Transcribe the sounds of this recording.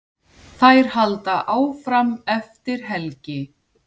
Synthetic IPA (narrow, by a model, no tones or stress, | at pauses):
θajɾ̥halt̪aʔaːwfɾamɛft̪ɪɾ̥ɦɛlcɪ